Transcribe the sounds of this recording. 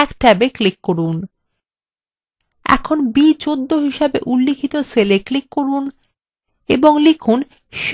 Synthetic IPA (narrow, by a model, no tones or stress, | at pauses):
ɛkʈɛbeklikːoɾun | ɛ̰kʰonbit͡ɕod̪ːoɦiʃabḛʔulːikʰit̪oseleklikːoɾun | ḛboŋlikʰun | ʃ